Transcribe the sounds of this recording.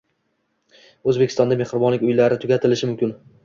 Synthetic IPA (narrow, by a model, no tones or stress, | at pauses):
ɵzbekʲʰɪst̪ɒnd̪ame̞hɾɪbɒnlɪkʲʊjlaɾɪt̪ʰʊɡʲat̪ʰɪlɪʃɪmʊmkʲʰɪn